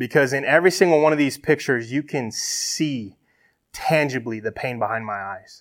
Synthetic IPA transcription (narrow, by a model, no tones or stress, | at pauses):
b̥ɨkʰʌzɨ̃nɛvɹisɪ̃ŋɡl̩ˠwʌ̃ñʌvðiz̥pʰɪk̚t͡ʃə˞zjɨkʰɨ̃nssi | tʰæ̃nd͡ʒɨbliðɨpʰẽɪ̃nbəhãɪ̃nd̚maɪaɪz̥